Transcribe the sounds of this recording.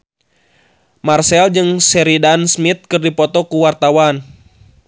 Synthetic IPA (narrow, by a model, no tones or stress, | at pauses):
marsɛld͡ʒɨŋsɛɾidansmit̪̚kɨrdipɔt̪ɔkuwart̪awan